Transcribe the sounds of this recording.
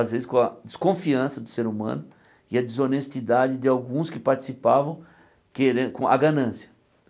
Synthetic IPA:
azvezɪskõɐd͡ʒ̪ɪskõfiɐ̃sɐd̪ʊseɾumɐ̰̃nʊ | ɪɐd̪ɪzonest̪id̪ad͡ʒɪd̪ɪawɡũskɪpaɾt͡ʃi̥sipavɐ̃w̃ | keɾẽkõʔɐ̰ɡɐnɐ̃sjɐ

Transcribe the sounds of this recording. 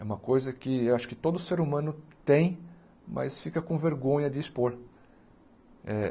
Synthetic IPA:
ɛũmɐkojzɐkɪewaʃʊ̥kɪt̪od̪ʊseɾumɐ̃nʊt̪ẽj̃ | mɐ̰sfikɐkõveɾɡõɲɐd̪ɪːspoɾ | ɛ

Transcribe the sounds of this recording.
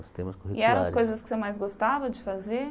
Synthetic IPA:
si̥t̪ẽmɐskohiɪɛɾɐ̃ɐsɾkojzɐskɪ̥semajzɡost̪avɐd͡ʒɪfaze

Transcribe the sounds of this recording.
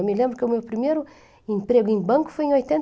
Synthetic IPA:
mɪlẽmbɾʊkɪumewpɾimejɾʊ | ẽmpɾeɡʊẽbɐ̃kʊ̥fojẽojt̪ẽnt

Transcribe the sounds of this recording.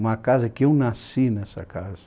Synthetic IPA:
umɐkazɐkɪewnasinɛsɐ̰kazɐ

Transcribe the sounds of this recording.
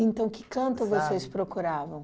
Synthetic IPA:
ẽnt̪ɐ̃w̃kɪ̥kɐ̃nt̪ʊvosejspɾokuɾavɐ̃w̃

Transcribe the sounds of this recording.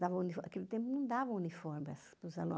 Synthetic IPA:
d̪avɐ̃unifoɐkelɪt̪ẽmp̬ʊnɐ̃w̃d̪avɐ̃w̃unifoɾmɐspɾʊzalõ̰

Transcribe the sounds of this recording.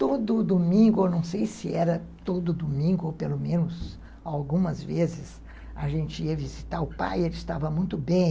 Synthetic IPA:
t̪od̪ʊd̪omĩŋɡʊenɐ̃w̃sejsɪɛɾɐt̪od̪ʊd̪omĩŋɡʊowpelomẽnʊz | awɡũmɐzvezɪs | ɐ̰ʒẽnt͡ʃɪiɐvizit̪aɾʊpa̰jelɪst̪avɐmũj̃t̪ʊbẽj̃

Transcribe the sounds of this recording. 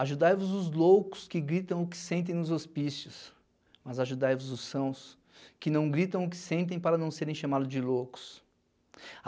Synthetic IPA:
aʒud̪ajvʊzʊzlowkʊ̥skɪɡɾit̪ɐ̃w̃ʊkɪ̥sẽnt̪̬ẽj̃nʊzospisjʊs | mɐzaʒud̪ajvʊzʊsɐ̃w̃s | kɪnɐ̃w̃ɡɾit̪ɐ̃w̃ʊkɪ̥sẽnt̪̬ẽj̃paɾɐnɐ̃w̃seɾẽʃamad̪ʊzd͡ʒɪlowkʊ̥s

